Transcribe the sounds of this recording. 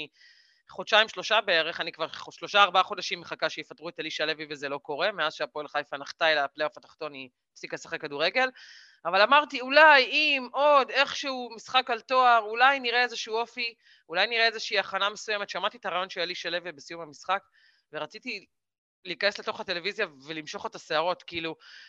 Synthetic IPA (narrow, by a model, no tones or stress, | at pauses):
i | χodʃaimʃlo̞ʃabeeʁe̞χanikvaʁoʃlo̞ʃaːʁbaaχo̞daʃimːeχakaʃejifat̪ʁuet̪aliʃalevivezelo̞ko̞ʁe̞meazʃeapoelχajfanaχt̪aelaplejofat̪ḁχt̪o̞ni | fsikasaχekːaduʁe̞ɡe̞l | avalamaʁt̪iulajimo̞d̪e̞χʃeumisχakalt̪o̞aʁulajniʁeezeʃuuːo̞fi | ulajniʁeezeʃiiaχaname̞suje̞me̞tʃeamaʁt̪it̪aʁajo̞nʃealiʃalevibesijumamisχak | veʁat͡sit̪i | liːkanesle̞t̪o̞χate̞le̞vizjave̞limʃo̞χet̪aseaʁo̞t̪kiilu